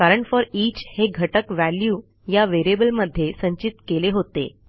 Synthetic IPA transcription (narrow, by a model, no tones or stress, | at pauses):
kaɾəɳfɔɾiːt͡ɕheɡʱəʈəkʋæljuː | jaʋeɾebəlməd̪ʱːjesə̃ɲt͡ɕit̪keleɦot̪ḛ